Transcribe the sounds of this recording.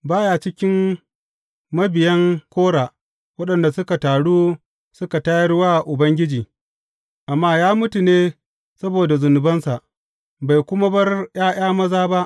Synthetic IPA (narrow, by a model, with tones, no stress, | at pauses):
baː˦ja˨t͡ʃɪ˦kʲɪ˦m | mɐ˦bɪ˨jɐ˦ŋkʷoː˦ɽaː˨ | wɐ˦ɗɐ˨nda˨sʊ˦ka˨taː˨ɽuː˦ | sʊ˦ka˨ta˦ji˦ɽʊ˦waː˦˨ʔʊ˨bɐ˦ŋɡʲɪ˦d͡ʒiː˨ | ʔa˨mːaː˦jaː˦mʊ˦tu˨neː˦ | sɐ˦boː˨da˨zʊ˨nʊ˨bɐ˦nsa˨ʔ | ba˨jkʷʊ˦ma˦bɐ˦rj̰aː˦j̰aː˦mɐ˦zaː˦ba˦ʔ